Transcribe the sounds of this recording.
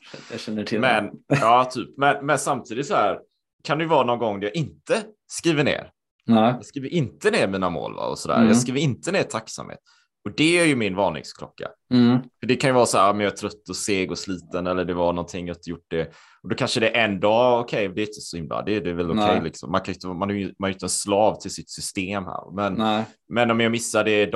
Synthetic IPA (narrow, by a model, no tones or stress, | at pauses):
jɛnːəʈʰɪmɛnɑːt̪ʰyːpmɛnmɛnsamt̪ʰiːd̪ɪt̪sɔhæːɾ | kʰand̪ɛjʏvɑːɾanɔnɡɔŋːd̪æjɑɪnt̪ə | skɾiːvənḛːɾ | jɑːskɾiːvəɾʔɪnt̪əneːɾmiːnamo̰ːlva̰ɔ̰sɔd̪æ̰ːɾjɑ̰skɾiːvəɾɪnt̪əneːɾt̪ʰakːsa̰mhḛːt̪ | ɔd̪ɛæɾjɵmɪnvɑːnɪ̰ŋskʰlɔ̰kːa̰fœɖɛkʰanjɵvɑɾsɔæːɾɔmmjɑaʈ̪ʰɾœt̪ːɔseːɡɔsliːt̪ənɛlːəɖɛvanɔnt̪ʰɪŋːjɑɪnt̪əjʊʈːɖɛ | ɔd̪ɔkʰanʂəd̪ɛʔɛnd̪ɑːɔkʰɛjd̪ɛɾɪɪnt̪ə̥sɔhɪmla̰d̪ɛːdɛvɛlʊkʰɛjlɪksɔ̰mːankʰanjʏnt̪əmanɑjmanhajʏnt̪əɛnslɑːvt̪ʰɪlsɪt̪sʏst̪eːmhæ̰ːɾv̰mɛn | mɛnɔmjɑmɪsːad̪ɛd̪